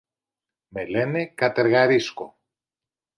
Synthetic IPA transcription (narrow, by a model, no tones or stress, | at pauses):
melenekɐt̪eɾɣɐɾisko̰